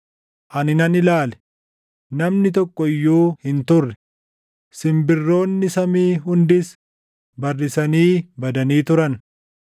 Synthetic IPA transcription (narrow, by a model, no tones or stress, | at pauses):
ʔɐnɪnɐnɪlaːlɛ̥ | nɐmnɪt̪ɔkʼːɔɪjːuːhɪnt̪ʊrːɛ | sɪmbɪrːo̞ːnːɪsɐmiːɦʊnd̪ɪs | bɐrːɪsɐniːbɐd̪ɐniːt̪ʊɾɐn